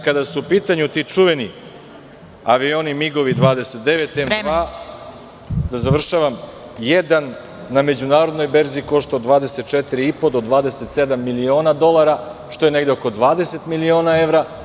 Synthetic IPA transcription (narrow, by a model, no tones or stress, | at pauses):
kad̪asuupiːt̪aɲut̪it͡ʃuʋeni | aʋio̞nimiɡoʋid̪ʋaːd̪e̞set̪̚d̪eʋet̪ːemʋaː | d̪azaʋr̩ʃaʋam | jed̪anː | ame̞d͡ʑunaːɾod̪no̞jbe̞ɾziːko̞ʃt̪ood̪ʋaːd̪e̞set̪̚t͡ʃet̪iɾiipo̞d̪o̞d̪ʋaːd̪e̞set̪sed̪amːilio̞ːnad̪o̞lˠaɾaʃt̪o̞je̞ne̞ɡd̪eoko̞d̪ʋaːd̪e̞se̞t̪milio̞ːnae̞ʋɾa